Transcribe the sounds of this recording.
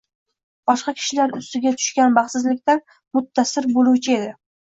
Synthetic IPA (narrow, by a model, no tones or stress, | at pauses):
b̥ɒʃqɑkʲʰɪ̥ʃɪlaɾʊst̪ɪɡʲat̪ʰʊ̥ʃkʲanbɑχsɪzlɪkʲt̪an | mʊt̪ʰːasɪɾbolˠuwt͡ʃʰɪe̞d̪ɪ